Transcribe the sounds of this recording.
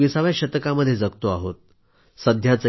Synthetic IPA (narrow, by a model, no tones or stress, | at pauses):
isaʋjaɕət̪əkaməd̪ʱːjed͡zək̚t̪oaɦot̪̚ | səd̪ʱjat͡sə